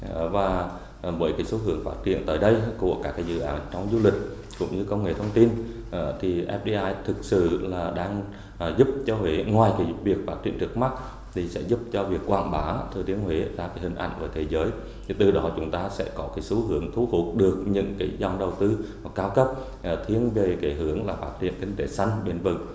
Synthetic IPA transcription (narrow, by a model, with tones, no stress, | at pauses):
vaː˨˩ | vəː˨˦jkaː˨˦jso˨˦ɦɨ˨˦əŋfaː˦˥t̚t͡ɕḭ˧˨ənt̪əː˨˦jɗə˧jku˧˩əkaː˦˥kːaː˨˦jzɨ̰˧˨ʔaː˨˦nt͡ɕɔ˧wŋ͡mzu˧lï˨˩k̟̚ | kʊ̰˧˥ŋ͡mɲɨ˧kə˧wŋ͡mŋḛ˧˩t̪ʰə˧wŋ͡mt̪i˧n | ʔt̪ʰi˨˩ʔɛ˦˥p̚ɗi˧ʔaː˧jt̪ʰɨ˨˩k̚sɨ̰˧˨laː˨˩ɗaː˧ŋ˨˩ | zu˦˥p̚t͡ɕɔ˧ɦwe˨˦ŋwaː˨˩jka˨˦vi˨˩ək̚faː˦˥t̚t͡ɕḭ˧˨ənt͡ɕɨ˦˥k̚ma˦˥t̚ | t̪ʰi˨˩sɛ̰˧˥zu˦˥p̚t͡ɕɔ˧vi˨˩əkːwa̰ː˧˩nɓaː˨˦t̪ʰɨ˨˩t̪i˨˦əŋɦwi˨˦zaː˧kaː˨˦jhï˨˩ŋ̟ʔa̰˧˨jŋ̟vəː˨˦jt̪ʰe˨˦zəː˨˦j | t̪ʰi˨˩t̪ɨ˨˩ɗɔ˨˦t͡ɕʊ˨˦ŋ͡mt̪aː˧sɛ̰˧˥kɔ˨˦kaː˨˦jsu˨˦ɦɨ˨˦əŋt̪ʰu˨˦fʊ˨˩t̚ɗɨ˨˩ək̚ɲɨ̰˧˥ŋkaː˨˦jza˨˧˩ŋ͡mɗə˨˩wt̪ɨ˧ha˨˩kːaː˧wkə˦˥p̚ː | t̪ʰi˧ənve˨˩kaː˨˦jɦɨ˨˦əŋlaː˨˩faː˦˥t̚hʰwḭ˧˨ənkï˧ŋ̟t̪e˨˦sa˧jŋ̟ɓe˧˩nvɨ̰˧˩˨ŋ